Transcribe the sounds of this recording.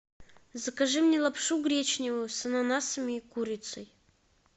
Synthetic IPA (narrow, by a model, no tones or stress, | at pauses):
zəkɐʐɨmnʲɛlˠɐpʂuɡɾʲet͡ɕnʲɪvʊsɐnanasəmʲɪːkuɾʲɪt̪səj